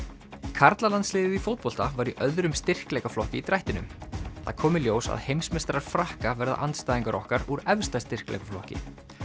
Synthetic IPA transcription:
kʰaɾt̪lalant̪slɪːðɪðifowt̪̚pɔl̥t̪avaːɾiʔœðɾʏmst̪ɪr̥klejkaflɔhcɪit̪ɾajht̪ɪnʏ̰mθa̰kʰɔːmɪljoːwsa̰ðhejmsmɛst̪ɾaɾ̥fɾahkavɛɾða̰ʔant̪st̪aːjðiŋkaɾɔ̰hkaɾuɾɛvst̪ast̪ɪr̥klɛ̰jkaflɔhcɪ̰

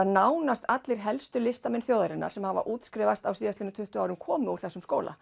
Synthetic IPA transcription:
naːwnast̪at̪lɪɾ̥ɦɛlst̪ʏlɪst̪amɪnθjoːwðaɾɪnːa̰ɾ̥sɛmhava̰ʔuːt̪skɾɪːvast̪awsiːðast̪ɪnʏt̪ʰʏht̪ʏaːwɾʏmkʰɔːmɪuɾ̥θɛsːʏmskoːwlʔa̰

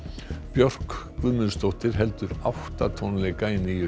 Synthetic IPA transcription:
pjɔr̥kkvʏðmʏst̪owht̪ɪɾ̥ɦɛlt̪ʏɾawht̪at̪ʰownlɛɣkaːjnɪjʏ

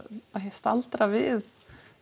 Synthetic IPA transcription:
aɦest̪a̰lt̪ɾavɪð

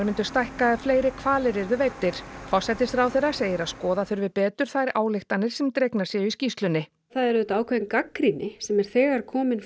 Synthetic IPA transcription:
mɪnt̪ʏ̥st̪ajhkaɛðfleːjɾɪkʰvaːlɪɾɛɾðʏveːjt̪ːɪɾ̥fɔ̥sɛt̪ɪst̪ɾawθejɾaseːjɪɾaðskɔːðaθʏɾvɪðpɛːt̪ʏɾ̥θajɾa̰ːwlɪxt̪anːɪɾ̥sɛmt̪ɾejknasjɛʏiscist̪lʏnːɪ | θaðɛɾʏt̪aːwkʰvɛɪnkakɾinɪsɛmɛɾ̥θɛːɣaɾ̥kʰɔːmɪn

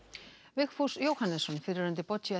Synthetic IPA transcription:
vɪxfusjowhanːɛsɔnfɪɾɪɾʏnt̪̬ɪpɔt͡ɕia

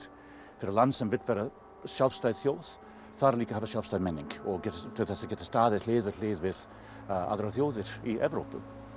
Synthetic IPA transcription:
fɪɾəlansənvɪt̪vɛɾə | ʃɛlˠfstœɥθjoːθ | θaɾəliːkəhavəʃɛlˠfstaːmɛnɪŋkɔɡɛtasəɡɛtə̥staːðətleːðvɪtʰleːðvɪð | a̰ðəɾəθjoːðɪɾiʔɛvɾoːpə

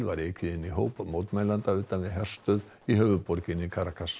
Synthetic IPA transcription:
lvaɾɛjkʰvɪɪnːiɦoːwpamoːwt̪maːjlant̪aʏːt̪anvɪðɦɛr̥st̪œð | iɦœːvʏpɔɾcɪnɪkʰaɾakʰas

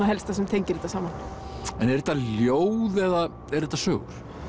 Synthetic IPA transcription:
aɦɛlst̪asɛmt̪ʰejɲcɪɾɛt̪asaːmanɛnɛɾðɛt̪ːaljoːwðɛða | ɛɾɛt̪ːasœːɣʏɾ̥

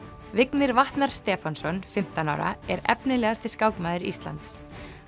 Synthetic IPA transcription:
vɪknɪɾvaht̪naɾ̥st̪ɛːfansɔnfɪm̥t̪ana̰wɾa̰ɛɾɛpnɪlɛːɣast̪ɪ̥skaːwkmaːðɪɾḭst̪la̰nt̪s

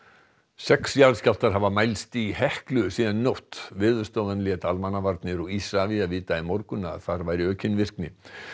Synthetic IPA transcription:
sɛksjaːlscal̥t̪aɾ̥ɦavamajlst̪ihɛhklʏsiːðannowht̪vɪðʏ̥st̪owvanlɪɛt̪almanavaɾt̪nɪɾɔisaviaðviːt̪aimɔwɾkʏnaa̰ðθaɾvajɾɪœːcɪnːvɪr̥knɪ

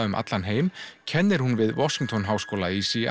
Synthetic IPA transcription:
ʏmʔa̰t̪lanɦeːjmcʰɛnːɪɾ̥hunvɪðvɔsiŋt̪ʰɔnɦaːwskoːwlaisia

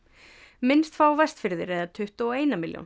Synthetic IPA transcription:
mɪnst̪faːwvɛst̪fɪɾðɪɾejðat̪ʰʏht̪ɔɔeːjnamɪljo̰wn

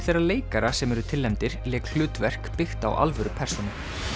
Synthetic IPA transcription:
θejrːaleːjkaɾasɛmɛɾʏt̪ʰɪlːɛmt̪ɪɾlɛːkl̥ʏːt̪vɛr̥kpɪxt̪a̰wʔa̰lvœɾʏpʰɛr̥sɔnɪ

